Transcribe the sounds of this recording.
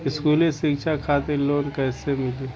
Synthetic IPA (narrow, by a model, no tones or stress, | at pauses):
ɪskuːlẽsɪkʃʰakʰaːt̪eɾloːnkɛːsemɪleː